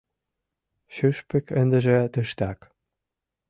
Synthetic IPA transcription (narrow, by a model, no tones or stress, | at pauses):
ɕyʃpɘ̆kʰɘ̆nd̪ɘ̆ʒĕt̪ɘ̆ʃt̪æk